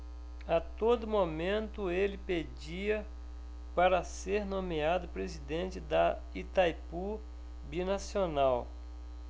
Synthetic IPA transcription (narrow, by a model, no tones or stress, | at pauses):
at̪od̪ʊmomẽnt̪ʊelɪped͡ʒiɐ | paɾɐseɾnõmiad̪ʊpɾezid̪ẽnt͡ʃɪd̪ɐ | it̪ajpu | binasionaw